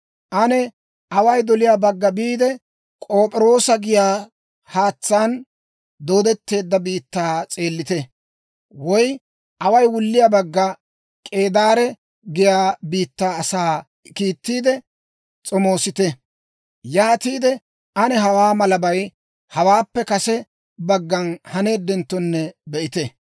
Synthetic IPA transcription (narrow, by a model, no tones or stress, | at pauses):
ʔɐnɛ | ɐwɐjd̪ɔlɪjabɐɡːɐbiːd̪ɛ | kʼoːpʼɪɾo̞ːsɐɡɪjaː | haːt͡sːaːn | d̪o̞ːd̪ɛt̪ːe̞ːd̪ːɐbiːt̪ːaːt͡sʼe̞ːlːɪt̪ɛ | wɔj | ʔɐwɐjwʊlːɪjabɐɡːɐ | kʼe̞ːd̪aːɾɛ | ɡɪjaːbiːt̪ːaːɐsaː | kiːt̪ːiːd̪ɛ | t͡sʼɔmo̞ːsɪt̪ɛ | jaːt̪iːd̪ɛ | ʔɐnɛɦɐwaːmɐlɐbɐj | hɐwaːpːɛkɐsɛ | bɐɡːɐnhɐne̞ːd̪ːɛnt̪ːɔnːɛbɛʔɪt̪ɛ